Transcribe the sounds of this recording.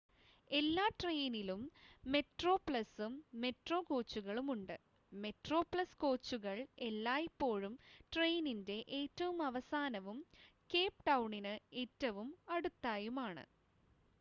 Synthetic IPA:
e̞lːaːʈrejnilumːe̞ʈro̞ːpɭɐsumːe̞ʈroːko̞ːt͡ɕːuɣɐɭumuɳɖɨ | me̞ʈro̞ːpɭɐskoːt͡ɕːuɣɐɭe̞lːaːjipːo̞ːɻumʈrejninde̞ʔeːtːɐʋumɐʋɐsaːnɐʋumke̞ːpʈɐwɳinɨe̞ːtːɐʋumɐɽut̪ːaːjumaːɳɨ̰

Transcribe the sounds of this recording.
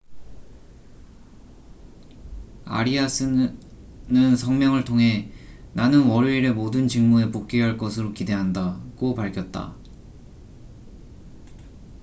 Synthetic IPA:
a̰ɾiasʰɯ | nɯnsʰʌŋmjʌŋɯɭtʰoŋɦe̞nanɯnwʌɾeiɾemodɯnt͡ɕiŋmunepok̚k͈iɦaɭk͈ʌsʰɯɾokide̞ɦandaɡ̥opaɭkʰjʌt̚t͈a̰

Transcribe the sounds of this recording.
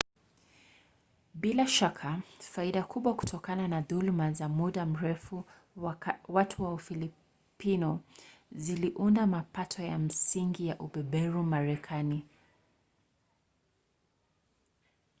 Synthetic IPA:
ɓilaʃakʰafaiɗakʰuɓwaku̥tʰɔkananaðulmazamuɗam̩ɾɛfu | watʰuwaufili | pinɔziliʔundamapatʰɔjam̩siŋɡijaʔuɓɛɓɛɾumaɾɛkʰani

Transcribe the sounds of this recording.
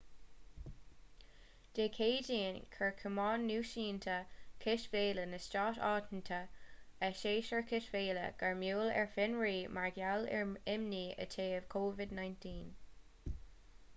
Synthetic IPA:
d̪̥eːkʰeːdiːənkʰəɹkʰəmɑːnːuːʃiːnt̪ʰəkʰɪʃveːlənəstɑːtɑːt̪n̩tʰəəʃeːʃəɹkʰɪʃv̥eːlə̰ɡ̥aɹmjuːlɛ̰ɹfɪnɹiːmaɹɡjalɹɪmniə̰tʰeːv̥kʰoːvɪdnajntʰiːn

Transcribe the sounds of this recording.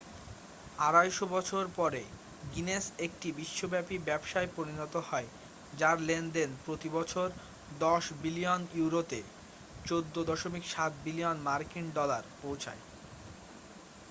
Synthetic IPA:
aɾajʃobɔt͡ɕʰoɾpɔɾe | ɡinesek̚ʈibiʃːobɛpibɛbʃaepoɾinɔt̪ohɔe | d͡ʑaɾlend̪enpɾot̪ibɔt͡ɕʰoɾ | d̪ɔʃbilijonuwɾot̪e | t͡ɕod̪ːod̪ɔʃomikʃat̪̚bilijonmaɾkinɖɔlaɾpowt͡ɕʰa̰e

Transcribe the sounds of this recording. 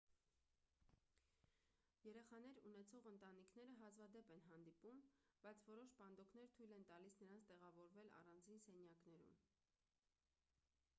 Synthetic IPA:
jɛɾɛχɑnɛɾunɛt͡sʰɔʁənt̪ɑnikʰnɛɾəɦɑzvɑd̪ɛpɛnɦɑnd̪ipumb̥ɑjt͡sʰvɔɾɔʃpɑnd̪ɔkʰnɛɾt̪ʰujlɛnt̪ɑlisnəɾɑnt͡sʰt̪ɛʁɑvɔɾvɛlɑ̰rɑnd͡zinsɛnjɑkn̪ɛɾṵm

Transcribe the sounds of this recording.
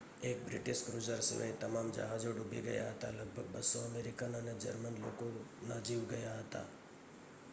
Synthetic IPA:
eːk̚bɾɪʈɪʃkɾuːd͡ʒəɾsmḛ̃t̪ɐmaːmd͡ʒɐ̰ɦaːd͡ʒoɖʱubḭɡɐ̰ja̰ɦɐt̪alɐɡ̚bʱəɡ̚bʱɐsɔɐmeːɾɪkənaned͡ʒɐɾmənlo̰ːkonad͡ʒiːʋɡɐjaɦɐt̪a̰ː

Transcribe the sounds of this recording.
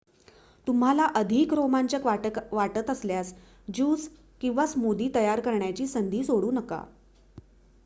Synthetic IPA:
t̪um̤ɦalaʔəd̪ʱiːkɾomaɲt͡ɕəkʋaʈət̪əsljas | d͡ʑuːs | kĩw̃ʋasmod̪iːt̪əjaɾkəɾɳjat͡ɕiːsənd̪ʱiːsoɽuːnəka̰

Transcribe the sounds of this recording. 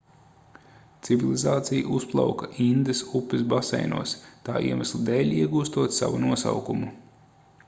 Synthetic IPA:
t̪sivilˠizaːt̪sijʔusplˠa̰wkaʔind̪esupːɛs̬basɛ̰jnṵɔst̪aːʔḭɛmaslˠid̪ɛːʎʲiɛɡuːst̪uɔt̪sa̰ʋunuɔsa̰wkumu

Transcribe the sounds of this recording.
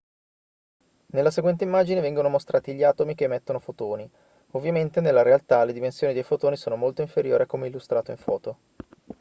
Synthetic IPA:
nelːaseɡwɛnt̪̬eimːaːd͡ʒinevɛŋɡonomost̪ɾʔaːt̪iʎːaːt̪omik̟emːɛt̪ːonofot̪oːni | ovːjament̪enelːaɾealt̪aled̪imensjoːnid̪ejfot̪oːnisoːnomolt̪oiɱfeɾjo̰ːɾiakːomeilːust̪ɾaːt̪oiɱfɔ̰ːt̪o

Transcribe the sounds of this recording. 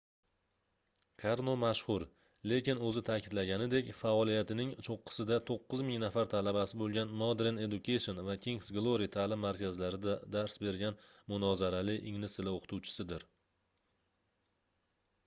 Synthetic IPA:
kʰaɾnomaʃhʊɾ | le̞kʲɪnɵzɪt̪ʰakʲʰɪd̪laɡʲanɪd̪e̞kʲfaɒlijat̪ɪnɪŋt͡ʃʰoqʰːɨ̥sɪd̪at̪ʰoqːɨzmɪŋnafaɾt̪ʰalabasɪbolˠɡʲanːod̪ɾene̞d̪ʊkʰajʃonvakʲʰiŋsɡlˠoɾit̪ʰaːlɪmːaɾkʲazlaɾɪd̪ad̪aɾsbe̞ɾɡʲanmʊnɒzaɾalɪʔɪŋnɪsɪlaoqʰɨ̥t̪ʰuwt͡ʃʰɪ̥sɪd̪ɪɾ

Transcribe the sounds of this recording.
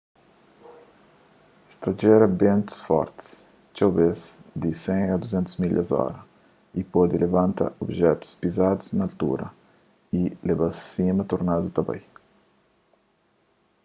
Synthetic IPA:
ist̪aʒɛɾɐbẽnt̪u̥sfɔ̰ɾt̪i̥s | t͡ʃawbezd̪isẽɐd̪uzẽnt̪uzmiʎɐ̰zɔ̰ɾɐ | ipɔd̪ilevãnt̪a̰obʒɛt̪u̥spizad̪uznɐːlt̪ṵɾɐ̰ | ilebassimɐt̪oɾnad̪ut̪ɐba̰j

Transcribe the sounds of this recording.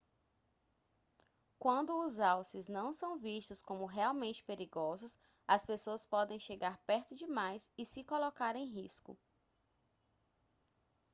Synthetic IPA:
kwɐ̃nd̪ʊːzawsɪznɐ̃w̃sɐ̃w̃vist̪ʊskõmʊɦeawmẽnt͡ʃɪ̥peɾiɡɔzʊs | ɐspesoɐspɔd̪ẽj̃ʃeɡaɾpɛɾt̪ʊd͡ʒɪmajsɪsɪkolokaɾẽj̃ɦiskʊ̰

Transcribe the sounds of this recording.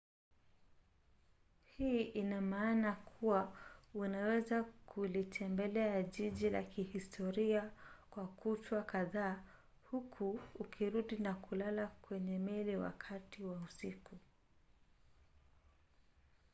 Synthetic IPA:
hiːʔinamaːnakʰuwaunawɛzakʰulitʰɛmbɛlɛaʄiʄila̰kihistʰɔɾiakwakutwakaðaː | hukʰuːkʰiɾuɗinakulalakwɛɲɛmɛliwa̰kʰatiwausiku

